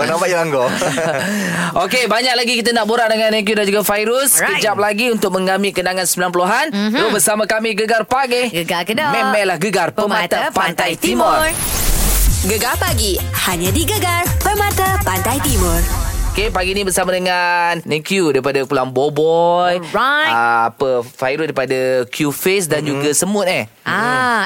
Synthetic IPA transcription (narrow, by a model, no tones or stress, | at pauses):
pənãmpaʔilaŋɡo | okebaɲak̚laɡikit̪̬anaʔboɾaʔdəŋanːẽk̬judand͡ʒuɡafajɾʊskəd͡ʒap̚laɡiunt̪ʊk̚mə̃ŋɡamikənaŋansəmbilanpəluɦanlobərsamakamiɡəɡarpak̚ɪhɡəɡakədɔmɛ̃mɛlahɡəɡarpəmãt̪apaant̪ajt̪imʊr | ɡəɡarpaɡihaɲãdiɡəɡarpəmãt̪apant̪ajt̪imʊrokepaɡinibərsamadəŋannẽkjudaɾipadakulaŋbobɔjaapəfajɾudaɾipadakjufes̬dand͡ʒuɡasəmʊt̪̚ɛh | a